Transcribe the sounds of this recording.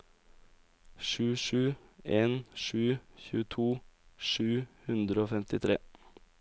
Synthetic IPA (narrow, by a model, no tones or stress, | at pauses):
ʃʉːʃʉːeːnʃʉːçʉ̰ːət̪ʰuːʃʉːhʉnd̪ɾəoːfɛmt̪ɪt̪ʰɾḛː